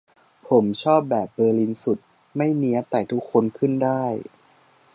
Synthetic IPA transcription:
pʰo˩˦mt͡ɕʰɔː˥˩p̚bɛː˨˩p̚bɤː˧li˧nsu˨˩t̪̚ | ma˥˩jni˦˥ɐt̪ɛ˨˩jt̪ʰu˦˥kʰːo˧nkʰɯ˥˩ndaː˥˩j

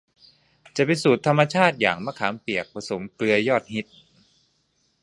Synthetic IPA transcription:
t͡ɕa˨˩pa˧nsuː˨˩t̪ʰa˧mːa˧t͡ɕʰaː˥˩t̪̚ja̰ː˨˩ŋma˧˥˩kʰaː˩˦mpi˨˩ək̚pʰa˧so˩˦mklɯ˧ɐjɔː˥˩t̪̚hi˦˥t̪̚

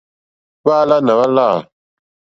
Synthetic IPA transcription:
βa˦la˦na˨βa˦la˦˨

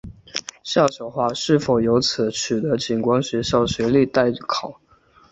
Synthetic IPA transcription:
ɕjɑ˥˩ʊɕjo˨˩ʊxwa˥˧ʂɻ̩˥˩fo˨˩ʊjo˧˥ʊt͡s̩ʰ˨˥˦t͡ɕʰy˨˩t̪ə˧˦t͡ɕi˨˩nkwa˥ŋɕɥɛ˧˥ɕjɑ˥˩ʊɕɥɛ˧˥li˥˧t̪a˥˩ɪ˥˩kʰɑ˨˩˦ʊ

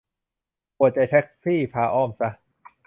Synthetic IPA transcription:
pu˨˩ət̚t͡ɕa˧˩jt̪ʰɛ˦˥k̚siː˥˩pʰaː˧ʔɔː˥˩msa˦˥

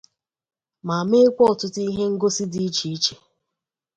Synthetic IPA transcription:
ma˨me˦kʷɔ˦ɔ˨tʊ˦ti˦ɦe˦ŋ̩˦ɡo˦si˦di˦t͡ʃi˨˦t͡ʃe̥˨

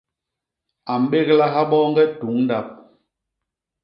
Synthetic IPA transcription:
a˨m̩˨˦ɓe˦ɣla˦ɦa˦ɓɔː˦ŋɡɛ˦tu˨˦ŋn˦da˦˨p̚

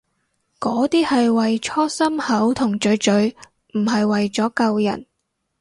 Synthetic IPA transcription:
kɔː˨˥t̪iː˥hɐ˨jwɐ˨jt͡ʃʰɔː˥sɐ˥mhɐ˨˥wt̪ʰʊ˨˩ŋt͡ʃɵ˨˧ɥt͡ʃɵ˨˥ɥ | m̩˨˩ɦɐ˨jwɐ˨jt͡sɔː˨˥kɐ˨˧wjɐ̰˨˩n

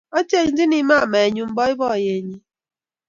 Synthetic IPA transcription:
o˦te˦˨ŋ̩˦dɪ˦ni˨ma˦a˨ma˨e˨ɲu˦m̩˦bɔ˦ɪ˦bɔ˦˨je˨ɲi˦

